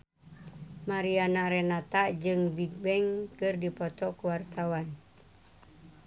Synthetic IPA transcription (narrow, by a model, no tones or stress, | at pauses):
maɾianaɾɛnat̪aʔd͡ʒɨŋbik̚bɛŋkɨrdipɔt̪ɔkuwart̪awan